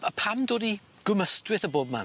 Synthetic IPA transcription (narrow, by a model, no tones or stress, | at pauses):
əpʰamdoːdi | ɡ̥ʊməstwɪθəboːb̚ma̰n